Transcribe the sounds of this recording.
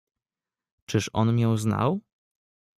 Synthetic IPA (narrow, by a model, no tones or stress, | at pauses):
t͡ʂɘʂɔ̰nmʲjɛ̃wzna̰w